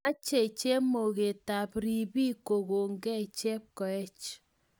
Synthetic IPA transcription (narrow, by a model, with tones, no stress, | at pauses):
a˦t͡ʃe˦˨t͡ʃe˦mo˨ɣe˨ta˨pɾi˨bi˦ko˨ɣo˨ŋɡɛ˦˨t͡ʃe˦p̚kɔ˨ɛ˦t͡ʃ